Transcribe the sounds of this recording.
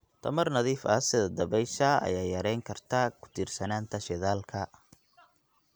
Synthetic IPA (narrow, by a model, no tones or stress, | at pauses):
t̪ʰɐmɐrnɐðiːfɐsɪðɐd̪ɐβɛjʃɐɐ̰jaːjɐɾɛjŋkʰɐrt̪ʰakʰʊ̥t̪ʰiːrsɐnaːnt̪ʰɐʃɛðaːlkʰɐ